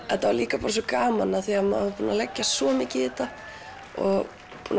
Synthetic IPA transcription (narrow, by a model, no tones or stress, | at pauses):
ɛnt̪avaɾliːkapaːɾas̬ɔkaːmanaθiamaapuːnalɛcːasɔmɪːcɪɪːt̪a | ɔɣ | puːn